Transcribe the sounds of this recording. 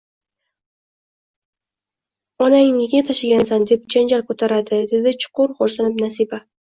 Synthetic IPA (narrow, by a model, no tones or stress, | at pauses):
ɒnaŋɪŋɪɡʲat̪ʰaʃɪɡʲansand̪e̞p̚d͡ʒand͡ʒaɾkʰot̪ʰaɾad̪ɪd̪e̞d̪ɪt͡ʃʰʊ̥qʰʊɾχoɾsanɪpnasiba